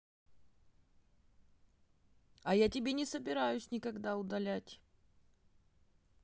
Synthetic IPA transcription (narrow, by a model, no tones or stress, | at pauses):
ɐjatʲɪbʲenʲɪsəbʲɪɾajʊsʲnʲɪkɐɡd̪aʊd̪ɐlʲætʲ